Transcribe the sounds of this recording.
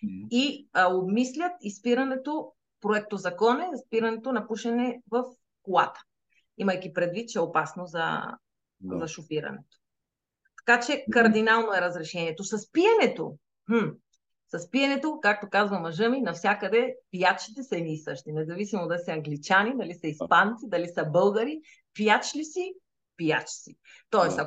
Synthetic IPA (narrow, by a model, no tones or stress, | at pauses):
iobmislʲət̪ispiɾɐnɛt̪o | pɾoɛk̚t̪ozɐkɔnɛzspiɾɐnɛt̪onɐpuʃɛnɛvɐf | kolˠa̰t̪ə̥ | imɐjk̟ipɾɛd̪vit̪̚t͡ʃɛopasnozɐ̰ | zɐʃofiɾɐ̰nɛ̰t̪o̥ | t̪ɐ̥kat͡ʃɛkɐɾd̪inalˠnoɛɾɐzɾɛʃɛniɛt̪osɐspijɐnɛt̪o̰ | hm̩ | sɐspiɐnɛt̪okak̚t̪okazvɐmɐʒɤminɐfsʲjakəd̪ɛpijat͡ʃi̥t̪ɛsɐɛniːsəʃt̪inɛzɐvisimod̪ɐlisɛɐŋɡlit͡ʃanid̪ɐlisəispant̪sid̪ɐlisəbɤlˠɡəɾi | piat͡ʃlisi | pijat͡ʃsi | t̪ɔɛsɐ